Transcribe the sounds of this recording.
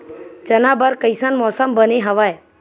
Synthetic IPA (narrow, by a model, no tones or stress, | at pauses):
t͡ʃənabəɾkəjsanmɔːsəmbəneɦəʋaj